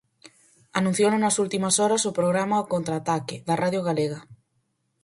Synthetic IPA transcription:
anũn̟θjononɐsult̪imasɔɾasopɾoɣ̞ɾamaokont̪ɾaːt̪akɪðaraðjoɣaleɣ̞a

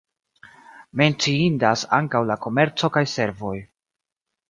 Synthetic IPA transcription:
me̞nt͡siindasaŋkawlako̞me̞ɾt͡so̞kajse̞ɾvo̞j

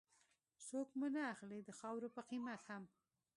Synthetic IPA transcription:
sokmunaːxled̪əxɑwɾopəqimat̪ham

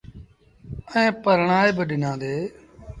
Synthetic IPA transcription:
əẽːpəɾɳaːeːbəɗɪnãːd̪eː

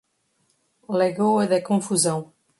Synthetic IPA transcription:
leɣoɐðɐkõfuzɐ̃w̃

